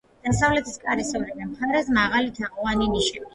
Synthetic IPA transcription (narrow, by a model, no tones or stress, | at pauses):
d̪̥asavlɛt̪ʰiskʼaɾisɔvnad̪amχaɾɛsmaʁalit̪ʰaqʼɔvaniniʃɛbi